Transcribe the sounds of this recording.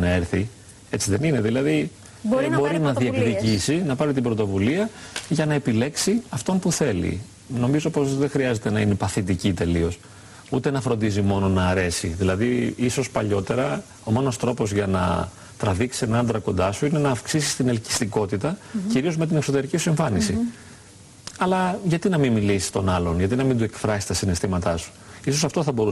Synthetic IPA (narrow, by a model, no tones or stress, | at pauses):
nɐeɾθi | e̞t͡siðe̞nine̞ðilɐði | bo̞ɾinɐðiekðicisinɐpɐɾit̪ibɾo̞t̪o̞vuliɐʝɐnɐe̞pile̞ksiɐft̪o̞npuθe̞lḭ | no̞mizo̞po̞zðe̞xɾiɐze̞t̪e̞nɐine̞pɐθit̪icit̪e̞lio̞s | ut̪e̞nɐfɾo̞nd̪izimo̞no̞nɐːɾe̞siðilɐðiisospɐʎo̞t̪e̞ɾɐ | o̞mo̞no̞st̪ɾo̞po̞zʝɐnɐ̰ | t̪ɾɐviksi̥senɐnd̪ɾɐko̞nd̪ɐsuine̞nɐːfksisi̥st̪inelci̥st̪iko̞t̪it̪ɐciɾio̞zme̞t̪̬ine̞kso̞t̪e̞ɾicisueɱfɐnisi | ɐlɐʝɐt̪inɐmimilisi̥st̪o̞nɐlo̞nʝɐt̪inɐmind̪uekfɾɐsist̪ɐsine̞st̪imɐt̪ɐsu̥iso̞sɐft̪oθɐbo̞ɾu